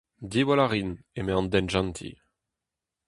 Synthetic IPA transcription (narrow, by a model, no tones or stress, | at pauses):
d̪iwalaʁin | emeɑ̃nd̪ɛnʒɑ̃nt̪ʰḭ